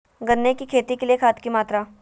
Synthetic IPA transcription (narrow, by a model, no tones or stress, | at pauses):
ɡɐnːekikʰeːt̪ikeliekʰaːt̪kimaːt̪ɾa